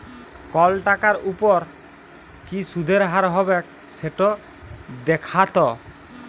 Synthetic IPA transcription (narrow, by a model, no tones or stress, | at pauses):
kɔlʈakaɾupɔɾ | kisud̪ʱeɾɦaɾɦɔbɛk̚ | seʈɔ | d̪ɛkʰat̪ɔ